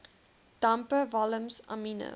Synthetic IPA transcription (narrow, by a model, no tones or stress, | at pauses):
d̥ampəvɐləmsɐ̰minə̰